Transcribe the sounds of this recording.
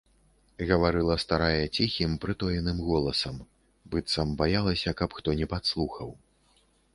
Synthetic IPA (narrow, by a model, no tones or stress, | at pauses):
ɣɐvaɾɨlˠɐst̪aɾajɐt͡sʲixʲimpɾɨt̪ɔjɛnɨmɣɔlˠɐsɐm | bɨt̪sɐmbajalˠɐsʲɐkɐpxt̪ɔnʲɛpat̪slˠuxɐw